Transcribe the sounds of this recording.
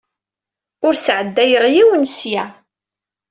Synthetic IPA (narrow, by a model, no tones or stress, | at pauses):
ʊɾsʕəd̪ːæjəɾˤjiwənsjæ